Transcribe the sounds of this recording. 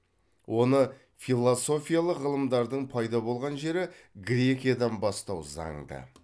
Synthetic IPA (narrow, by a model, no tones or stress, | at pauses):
wʔo̞nə | filˠoso̞fʲijalˠəqʁəlˠəmd̪ɑɾd̪əɴpʰɑjd̪ɑbo̞lˠʁɑnʒe̞ɾɪɡɾʲe̞kʲijad̪ɑnbɑst̪ɑwzɑ̰ɴd̪ə̰